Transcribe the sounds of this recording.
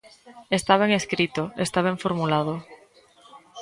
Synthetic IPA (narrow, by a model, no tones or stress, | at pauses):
est̪aβ̞eŋeskɾit̪oest̪aβ̞eɱfoɾmulað̞o